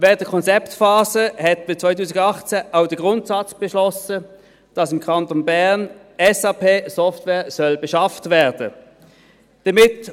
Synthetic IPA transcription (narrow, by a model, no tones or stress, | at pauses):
vɛːəntdəkʰɔnt͡sɛptfɑːzəhɛtbɪst͡svaɪtuːsɪɡɑχt͡sɛʔaʊdəɡʁʊntsɑt͡sb̥ɛʃlɔsə | d̥ɑsɪmkʰɑntonbɛʁn | ɛsɑːpʰeːsɔftvɛːɐsœlbɛʃɑftvɛːɐdə | d̥ɐmɪt